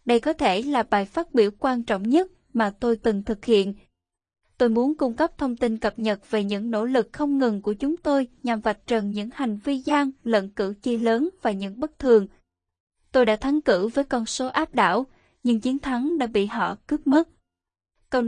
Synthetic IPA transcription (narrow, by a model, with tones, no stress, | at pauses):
ɗə˧jkɔ˨˦t̪ʰe˧˩laː˨˩ɓaː˨˩jfaː˦˥t̚ɓi˧˩əwkwaː˧nt͡ɕɔ̰˧˨wŋ͡mɲə˦˥t̚ | maː˨˩t̪o˧jt̪ɨ˨˩ŋt̪ʰɨ˨˩k̚hḭ˧˨ən | t̪o˧jmu˨˦nkʊ˧ŋ͡mkə˦˥p̚t̪ʰə˧wŋ͡mt̪i˧nkə˨˩p̚ɲə˨˩t̚ve˨˩ɲɨ̰˧˥ŋno̰˧˥lɨ˨˩k̚xə˧wŋ͡mŋɨ˨˩ŋku˧˩ət͡ɕʊ˨˦ŋ͡mt̪o˧jɲa˨˩mva˨˩t̚t͡ɕə˨˩nɲɨ̰˧˥ŋha˨˩jŋ̟vi˧zaː˧ŋlə̰˧˨nkɨ̰˧˩t͡ɕe˧ləː˨˦nvaː˨˩ɲɨ̰˧˥ŋɓə˦˥t̚t̪ʰɨ˨˩əŋ | t̪o˧jɗaː˧˥t̪ʰa˨˦ŋkɨ̰˧˩vəː˨˦jkɔ˧nso˨˦ʔaː˦˥p̚ɗa̰ː˧˥˩w | ɲɨ˧ŋt͡ɕi˨˦ənt̪ʰa˨˦ŋɗa̰ː˧˥ɓḭ˧˨ɦɔ̰˧˨kɨ˦˥p̚mə˦˥t̚ | kə˧w